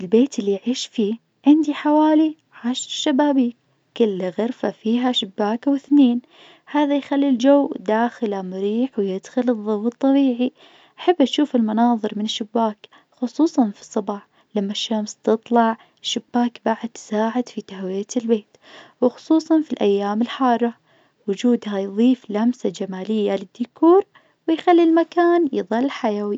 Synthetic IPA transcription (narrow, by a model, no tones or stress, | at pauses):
ɪlbeːt̪ɪlːijʕiːʃfiː | ʕɪnd̪iħawaːli | ʕaːʃɾʃːabaːbiːk | kɪlːaɣaɾfafiːɦaʃɪbːaːkwɪθneːn | haːðajxalːild͡ʒawːd̪aːxɪlamʊɾiːħwjɪd̪xɪlɨðˤːɑwɨt̪ˤːɑbiːʕi | ʔaħabːʔaʃuːfɪlmɑnɑːðˤɨɾmɪnɪʃːʊbːaːk | xʊsˤuːsˤɑnfi̥sˤːɑbɑħ | lamːaʃːamst̪ɨt̪ˤlɑʕ | ʃːʊbːaːkbaʕɪd̪̚t̪saːʕɪd̪fit̪ahwɪjalbeːt̪wɪxʊ̥sˤuːsˤɑnfilʔajːaːmɪlħɑːɾˤɑ | wʊd͡ʒuːd̪hajðˤiːflamsad͡ʒamaːlɪjːalɪd̪ːʊkuːɾ | wɪjxalːilmakaːnjɨðˤɑlːħajawi